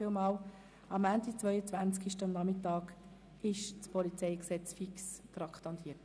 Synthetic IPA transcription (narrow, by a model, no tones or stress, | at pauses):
ɪlmɑːl | ɑmæntit͡svœʏət͡sʋænt͡skiʃtənnɑmɪtɑːk | ɪʃt͡spɔlit͡seɪksɛt͡sfikst̪rɑkʰtɑntʰiːət